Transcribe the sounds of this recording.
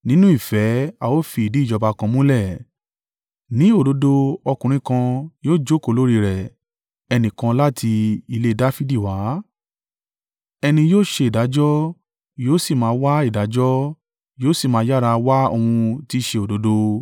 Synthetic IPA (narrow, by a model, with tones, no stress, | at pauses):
nĩ˦nũ˦i˦˨fɛ˨˦a˨wo˦fi˧i˨di˨˦˨d͡ʒɔ˧ba˧kã˧mũ˦lɛ˦˨ | nĩ˨˦o˦˨do˨˦do˧ɔ˧kũ˨ɾ̃ĩ˧kã˧joː˦˨d͡ʒo˦ko˦˨lo˨˦ɾi˦˧˨ɾɛ˨ | ɛ˧nĩ˨kã˧la˦tʰi˧i˧le˧da˦fi˦di˦˨wa˨˦ | ɛ˧nĩ˧joː˦˨ʃe˧i˨da˨˦d͡ʒɔ˦ | joː˦si˦˨mãː˨˦˧wa˦i˦˨da˨˦d͡ʒɔ˦ | joː˦si˦˨mãː˧˦ja˦˨ɾa˧wa˦o̰˧hũ˧ti˦ʃe˧o˨do˨˦do˧